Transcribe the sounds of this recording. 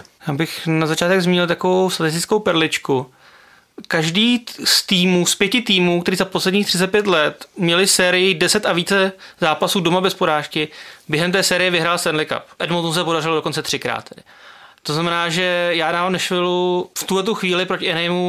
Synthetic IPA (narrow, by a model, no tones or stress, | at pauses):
jaːbɪxnazat͡ʃaːt̪ɛɡzmiːɲɪlt̪akovowst̪at̪ɪs̬t̪ɪt͡sskowpɛɾlɪt͡ʃku | kaʒdiːst̪iːmuːspjɛcɪt̪iːmuːkt̪ɛɾiːzaposlɛdɲiːxt̪r̥ɪt͡sɛt̪̚pjɛt̪lɛt̪mɲɛlɪsɛːɾɪjɪdɛsɛt̪ʔaviːt͡sɛzaːpasuːdomabɛspoɾaːʃkɪbjɛɦɛmt̪ɛːsɛːɾɪjɛvɪɦɾaːlst̪ɛnlɪka̰pʔɛdmot̪s̬ɛpo̞darɪlodoko̞nt͡sɛt̪r̝̥ɪkɾa̰ːt̪̚ːɛdɪ | t̪oznamɛnaːʒɛjaːdaːmnɛʃvɪluft̪uɦlɛt̪uxviːlɪpɾocɪʔɛnɛjmu